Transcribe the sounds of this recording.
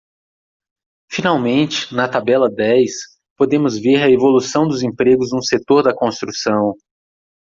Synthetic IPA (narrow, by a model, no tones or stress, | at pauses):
finawmẽnt͡ʃɪ̥nɐt̪abɛlɐd̪ɛjs | pod̪ẽmʊzveɾɐevolusɐ̃w̃d̪ʊzẽpɾeɡʊznũset̪oɾd̪ɐkõst̪ɾusɐ̃w̃